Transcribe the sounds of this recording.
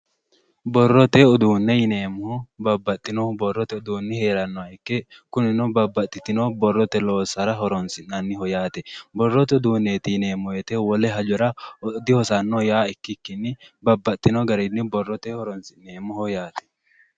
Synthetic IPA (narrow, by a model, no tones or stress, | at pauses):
bɔrːɔt̪ɛʊd̪uːnːɛjɪneːmːʊhʊbɐbːɐt̪ʼːɪnɔbɔrːɔt̪ɛʊd̪uːnːɪhe̞ːɾɐnːɔaɪkːɪkʊnɪnɔbɐbːɐt̪ʼːɪt̪ɪnoːbɔrːɔt̪ɛlo̞ːsɐɾɐɦɔɾɔnsɪnːɐnːɪhɔjaːt̪ɛbɔrːɔt̪ɛʊd̪uːnːeːt̪ɪjɪne̞ːmːɔjɛt̪ɛwɔlɛɦɐd͡ʒɔɾɐɔd̪ɪhɔsanːojaːɪkːɪkːɪnːɪbɐbːɐt̪ʼːɪnɔɡɐɾɪnːɪbɔrːɔt̪ɛhɔɾɔnsɪnːeːmːʊhɔjaːt̪ɛ̥